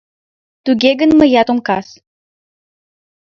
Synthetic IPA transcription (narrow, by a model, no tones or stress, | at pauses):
t̪uɣeɣənmə̆jɑt̪omkɑs